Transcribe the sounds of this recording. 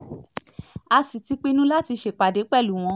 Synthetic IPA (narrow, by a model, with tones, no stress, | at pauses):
a˧si˨ti˨˧k͡pe˦nũ˦la˦ti˧ʃe˨k͡pa˨de˨˦k͡pɛ˦˨lu˨˦˨w̃ɔ̃˧˦